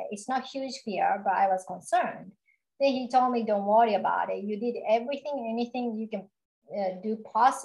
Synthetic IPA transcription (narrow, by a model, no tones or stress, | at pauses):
ɪtsnət̚hjʉ̥ʒ̥fiɹbʌɾa̰ɪwʌz̥kə̃nsɜ̃˞nd | ðɨ̃nhitʰoʊl̚ˠmidõʊ̃ntwʌɹiɨba̰ʊɾɪt̚jɨdɪɾɛvɹiθɪ̃ŋɛniθɪ̃ŋjɨkɨ̃n | dɨpʰɑs